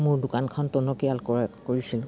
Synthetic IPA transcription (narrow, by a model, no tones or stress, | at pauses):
mʊɹdʊkankʰɔntɔnɔkijalkoɹisil